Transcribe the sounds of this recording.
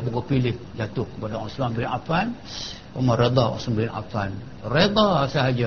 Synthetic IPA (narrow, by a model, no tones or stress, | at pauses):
buɡupilɪhd͡ʒat̪ʊhkəpadaɔsmambinapan | amaɾed̪aɔ̰nsmambɪna̰fan | red̪ˤasaɦad͡ʒa